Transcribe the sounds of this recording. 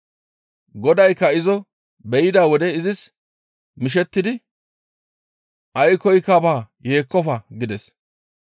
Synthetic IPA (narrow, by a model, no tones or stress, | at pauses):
ɡɔd̪ɐjkːɐɪzɔ | bɛjɪd̪aːwɔd̪ɛɪzɪs | mɪʃ̬ɛt̪ːɪd̪ɪ | ʔɐjkɔjkːabaː | je̞ːkːɔfɐɡɪd̪ɛs